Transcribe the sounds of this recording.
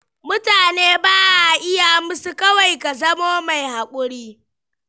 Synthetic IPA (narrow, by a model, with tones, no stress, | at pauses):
mʊ˦taː˨neː˦baː˦ʔa˨ʔɪ˦ja˨mʊ˦su˦kɐ˦wa˨jka˨zɐ˦moː˦ma˨jha˨kʷʼʊ˦ɽiː˦